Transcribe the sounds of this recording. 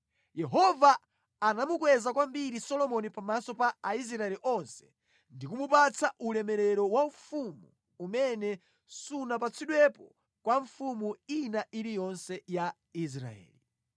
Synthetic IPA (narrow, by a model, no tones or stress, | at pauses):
jɛɦɔvaː | namukwɛzakwambiɾisɔlɔmɔnipamasɔpaais̬ɾaɛliʔɔnsɛ̥ | ndikumupat͡sʰaʔulɛmɛɾɛɾɔwaɱfumuː | mɛnɛ | sunap̬at͡sʰiɗwɛpɔ | kwaɱfumuinaʔiɾijɔnsɛja | is̬ɾa̰ɛ̰ːli